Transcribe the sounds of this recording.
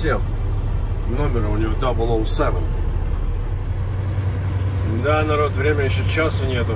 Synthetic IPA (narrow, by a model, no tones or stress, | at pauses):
sʲem | nomʲɪɾəʊnʲɪvod̪abəlˠoʊsɛvən | d̪anɐɾo̞t̪vɾʲemʲəjɪɕːot͡ɕasʊnʲet̪ʊ